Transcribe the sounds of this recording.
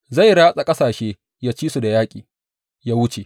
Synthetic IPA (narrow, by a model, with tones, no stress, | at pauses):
za˦˨jɽaː˦sʼa˨kʼɐ˦saː˨ʃeː˦ | jaː˦t͡ʃiː˦su˨da˨jaː˦kʲʼiː˨ | jaː˦wʊ˦t͡ʃe˨